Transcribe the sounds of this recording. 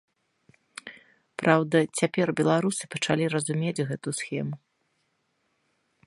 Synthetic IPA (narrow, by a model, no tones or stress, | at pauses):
pɾawd̪ɐt͡sʲapʲɛrbʲɛlˠaɾusɨ̥pɐt͡ʂalʲirɐzumʲed͡zʲɣɛt̪usxʲɛmu